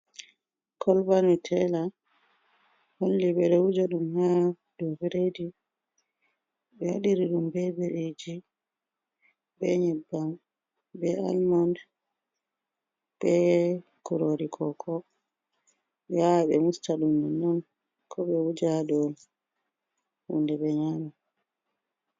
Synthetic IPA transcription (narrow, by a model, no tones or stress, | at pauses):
kʰɔlbanutʰɛla | holːiɓɛɾɛwud͡ʒaɗumha | d̥ɔfiɾedi | ɓɛwa̰ɗiɾiɗumbɛbeɾed͡ʒi | ɓɛɲɛbːam | bɛa̰lmand | ɓɛ | kuɾoɾikʰɔkʰɔ | jawɓɛ̰mustaɗumːɛnːɔn | kʰɔɓɛwud͡ʒaɗɔm | hṵndɛɓɛɲama